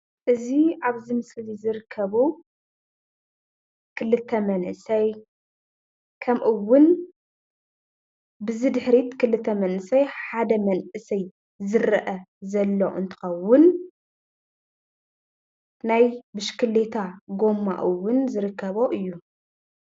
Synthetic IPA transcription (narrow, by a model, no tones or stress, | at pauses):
ʔɨziaβzɨmɨslizɨɾɨkʰːɐβu | kʰɨlɨt̪ʰːɐmɐnʔɨsɐj | kʰɐmʔɨwːʊn | bɨzɨd̪ɨħɾit̪kʰɨlɨt̪ʰːɐmɐnʔɨsɐjħad̪ɐmɐnʔɨsɐj | zɨɾɐʔɐzɐlːo̰ɨ̰nt̪ʰɐ̥xɐwːʊn | najbɨʃkʰɨlːet̪ʰaɡo̞mːa̰ʔɨwːʊnzɨɾɨkʰːɐβo̞ʔɨjːu